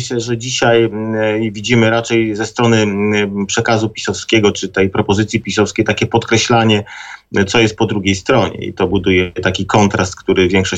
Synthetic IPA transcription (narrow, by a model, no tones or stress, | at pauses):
ɕlɛʐɛd͡ʑiɕaj | vʲid͡ʑimɘɾat͡ʂɛjzɛst̪ɾɔnɘpʂɛkazupʲi̥sɔfskʲɛɡɔt͡ʂɘt̪ɛjpɾɔpɔzɘt̪sʲjipʲisɔfskʲejt̪akʲɛpɔt̪kɾɛɕlaɲɛt̪sɔjɛst̪̚pɔd̪ɾuɡʲejst̪ɾɔɲɛ̰ḭt̪ɔbud̪ujɛt̪akʲikɔnt̪ɾast̪̚kt̪uɾɘvʲjɛŋkʂɔ